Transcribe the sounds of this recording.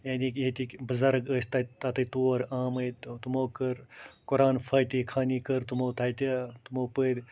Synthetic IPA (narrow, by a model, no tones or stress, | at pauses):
jaːniket̪ikbɨzɐɾɡəːst̪at̪at̪ɨt̪oːɾaːmət̪umoːkəɾkʊɾaːnfʰaːjt̪ikʰaːniːkəɾt̪umoːt̪ʰajt̪at̪umoːpəːɾʲ